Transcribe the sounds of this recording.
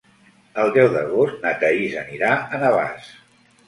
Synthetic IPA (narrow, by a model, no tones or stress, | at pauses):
əlˠd̪ɛwðə̰ɣost̪nət̪əizəniɾaənəβa̰s